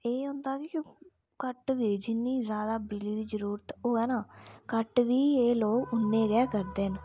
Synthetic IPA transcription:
eːɦʊ̃nd̪aːkɪ | kəʈʋiːd͡ʒɪnːiːzjaːd̪aːbɪliːd̪iːzəɾuːɾət̪ɦoːɛːnaːkəʈʋiːeːloːɡʊnːẽːɡɛːkəɾd̪eːn

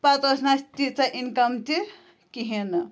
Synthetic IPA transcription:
pat̪osnast̪it͡saʔinkɐmt̪i | kiɦen

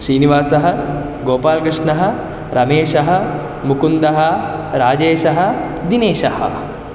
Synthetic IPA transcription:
ʃɾiːniʋaːsɐɦɐ̆ | ɡoːpaːlkɾɪʂɳɐɦɐ̆ | ɾʔɐmeːʃɐɦɐ̆ | mukund̪ɐɦɐ̆ɾaːd͡ʒeːʃɐɦɐ̆ | d̪ineːʃɐhɐ̰̆

